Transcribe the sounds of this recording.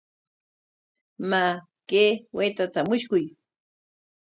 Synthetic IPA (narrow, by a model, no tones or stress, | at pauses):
ma | kewʔeːt̪at̪amʊʃkʊj